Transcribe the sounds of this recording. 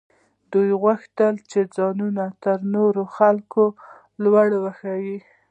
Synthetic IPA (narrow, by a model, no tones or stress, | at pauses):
d̪ujɣwaxt̪əlt͡ʃed͡zɑnunat̪əɾnoɾoxalko | lwaɽwaxawi